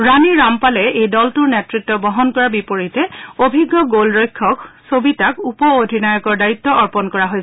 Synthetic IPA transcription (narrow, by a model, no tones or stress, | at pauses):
ɹaniɹampalɛejdɔltuɹnetɹitːɔbɔɦɔnkɔɹabipoɹitɛobʱiɡːɔɡolɹɔjkʰːɔksobitakupɔodʱinajɔkɔɹdajitːɔʔɔɹpɔnkɔɹaɦojsɛ